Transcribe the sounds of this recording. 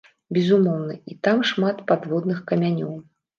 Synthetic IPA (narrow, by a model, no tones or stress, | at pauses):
bʲɛzumɔwnɐit̪amʂmat̪pad̪vɔd̪nɨxkɐmʲanʲɔw